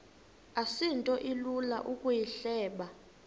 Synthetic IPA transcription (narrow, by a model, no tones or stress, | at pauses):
asintʼɔʔilula̰ʔukʼujiɬɛːɓa